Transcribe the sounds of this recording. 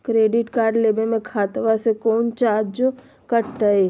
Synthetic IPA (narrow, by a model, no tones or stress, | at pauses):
kɾeːɖɪʈkaːɾɖleːbemẽkʰaːt̪ʋasekɔːnt͡ʃaːd͡ʒo | kəɾt̪aɦɛː